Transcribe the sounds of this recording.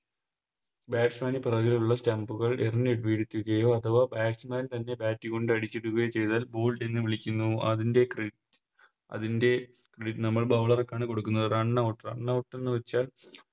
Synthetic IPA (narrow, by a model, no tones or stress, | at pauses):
baːʈsmaːniprɐɣiluɭːɐsʈambuɣɐɭerinːeɽʋiːɽit̪ʲːuɣɐjo̞ːɐt̪ʰɐʋɐbaːʈsmaːnt̪ɐnːe̞baːtːiko̞ɳɖɨɐɽit͡ɕːiɽuɣɐjet͡ɕe̞jt̪aːlbo̞ːlʈenːɨʋiɭikʲːunːuɐðinde̞kre | ɐ̰ðinde̞ | kreɽiʈːɨnɐmːɐɭbɐʋɭɐrɐkːaːɳɨko̞ɽukːunːɐðɨraɳːawʈːrɐɳːawʈːe̞nːɨʋɐt͡ɕːaːl